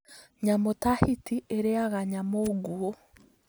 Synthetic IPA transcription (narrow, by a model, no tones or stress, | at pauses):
ɲamotahitiʔeɾeaɣaɲamoɡuo